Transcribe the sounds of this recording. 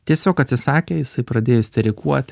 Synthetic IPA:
t̪ʲiɛsʲoːkɐt̪ʲsʲɪsɑːkʲeːjɪsɐɪpɾɐd̪ʲeːjosʲt̪ʲɛɾʲɪkuɔt̪ʲ

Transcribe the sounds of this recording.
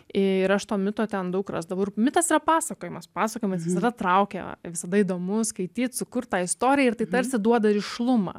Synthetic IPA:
ɪɪɾɐʃt̪oːmʲɪt̪oːt̪ʲɛnd̪ɐʊkrɐ̰sd̪ɐʋɐɾmʲɪt̪ɐsiɾɐpɑːsɐkoːjɛmɐspɑːsɐkoːjemʲɛsʋʲɪsɐd̪ɐt̪ɾɐʊkʲɛ̰ʋʲɪsɐd̪ɐiːd̪oːmʊskɐɪt̪ʲiːt̪sʊkʊrt̪̚t̪ɑːɪst̪oːɾʲɪjɛɪɾt̪ɐɪt̪ɐɾʲsʲɪd̪uɔd̪ɐɾɪʃlˠʊmɐ̰ː

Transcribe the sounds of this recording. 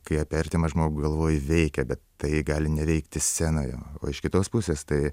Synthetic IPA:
kɐɪɐpʲɛrʲt̪ʲemɐʒmoːɡʊɡɐlˠʋoːjɪʋʲɛɪkʲɛbʲɛt̪tɐɪɡɑːlʲɪnʲɛʋʲɛɪkt̪ʲɪsʲæːnoːjo̰ːo̰ːɪʃkʲɪt̪oːspʊsʲeːst̪ɐɪ

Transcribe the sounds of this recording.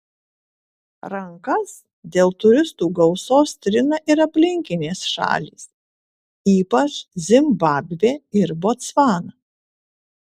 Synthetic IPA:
ɾɐŋkɐs | d̪ʲeːlˠt̪ʊɾʲɪst̪uːɡɐʊsoːst̪ʲɾʲɪnɐʔɪɾɐpʲlʲɪŋʲkʲɪnʲeːsʃɑ̰ːlʲḭːs | iːpɐt͡ʃzʲɪmbɑːbʲʋʲeːɪɾboːt̪sʋɑːnɐ

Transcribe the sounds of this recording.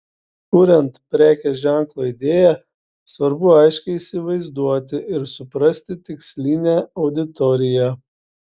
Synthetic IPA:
k̪uːɾʲɛnt̪pʲɾʲæːkʲɛʒʲæŋklˠoːid̪ʲeːjɛ | sʋɐɾbʊɐɪʃʲkʲɛɪiːsʲɪʋɐɪzd̪uɔt̪ʲɪʔɪɾsʊpɾɐsʲt̪ʲɪt̪ʲɪksʲlʲiːnʲæɒʊd̪ʲɪt̪ɔɾʲɪjæ

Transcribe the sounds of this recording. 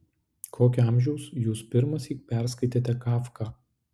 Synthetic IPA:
kʰoːkʲʊɐˑmʲʒʲɛʊsjuːspʲɪɾmɐsʲiːpʲɛˑɾskɐɪt̪ʲeːt̪ʲɛkɑːfkɑː

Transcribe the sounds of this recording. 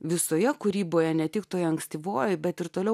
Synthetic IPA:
ʋʲɪsoːjɛkʊɾʲiːboːjɛnʲɛt̪ʲɪkt̪oːjɛɐŋksʲt̪ʲiːʋoːjɛbʲɛt̪ɪɾt̪oːlʲɛʊ

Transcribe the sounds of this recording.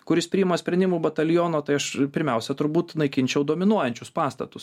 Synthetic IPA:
kʊɾʲɪspʲɾʲiːjɪmɐsʲpʲɾʲɛnd̪ʲɪmuːbɐt̪ɐlʲjoːnoːt̪ɐɪɐʃpʲɪɾʲmʲɛʊsʲɛt̪ʊɾbuːt̪nɐɪkʲɪnʲt͡ʃʲɛʊd̪oɔmʲɪnuɔjɛnʲt͡ʃʲʊspɑːst̪ɐt̪ʊs

